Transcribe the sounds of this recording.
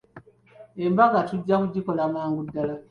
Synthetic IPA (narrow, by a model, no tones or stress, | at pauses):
embaɡatuɟːakuɟiko̞lamaːŋɡudːala